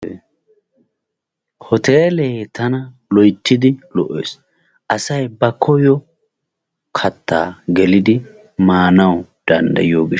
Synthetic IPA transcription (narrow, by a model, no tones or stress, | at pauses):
hɔt̪eːleːt̪ɐnɐ | lɔjt̪ːɪd̪ɪlɔʔːḛːs | ʔɐsɐjbɐkʰːɔjɔ | kʰɐt̪ʰːa̰ːɡɛlɪd̪ɪ | maːnɐwd̪̥ɐnd̪ɐ̰jɪjoːɡɪ